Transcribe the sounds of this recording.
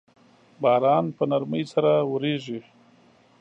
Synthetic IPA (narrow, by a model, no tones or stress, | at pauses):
bɑːɾɑnpənaɾməjsaɾawɾeʐi